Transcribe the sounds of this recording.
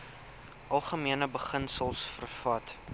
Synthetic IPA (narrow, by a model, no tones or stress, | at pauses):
ʔɐlˠχəmiənəbəχənsəlˠsfərfɐt